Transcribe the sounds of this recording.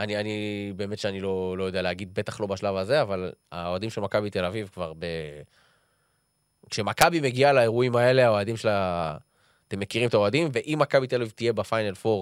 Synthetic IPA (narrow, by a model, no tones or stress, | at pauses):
anianibe̞ːme̞t̪ʃeanilo̞lo̞jo̞d̪ealeaɡid̪̚be̞t̪aχlo̞baʃlavaze̞avala̰oad̪imʃelmakabit̪e̞lavivkvaʁbe | kʃemakabime̞ɡialae̞ʁuimae̞le̞ao̞ad̪imʃela | t̪e̞mːe̞kiʁimet̪ao̞ad̪imveʔimːakabit̪elavivt̪ije̞bafajnalfo̞ʁ